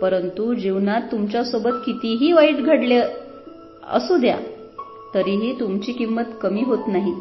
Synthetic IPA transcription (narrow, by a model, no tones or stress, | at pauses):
pəɾənt̪ud͡ʑiʋnat̪ːumt͡ɕjasobət̪kit̪iɦiːʋaiʈɡʱəɽle | ə̰sud̪ja̰ | t̪əɾiɦiːt̪umt͡ɕiːkimːət̪kəmiːɦot̪naɦi